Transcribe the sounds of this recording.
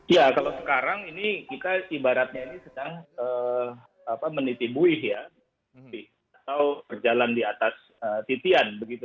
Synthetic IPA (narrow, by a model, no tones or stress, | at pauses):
jakalawsə̥kaɾaŋinikit̪aibaɾat̪̚ɲainisədaŋəː | apamənit̪ibuɪɦja | sɪh | at̪awpərd͡ʒalandiat̪as | ət̪it̪ianbəɡit̪u